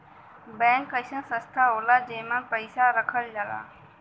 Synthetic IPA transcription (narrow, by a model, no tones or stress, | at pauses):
bɛ̃ːŋkːəɪsãːsə̃st̪ʰaɦoːlaːd͡ʒeːmãːpəɪsaɾəkʰəld͡ʒala̰ː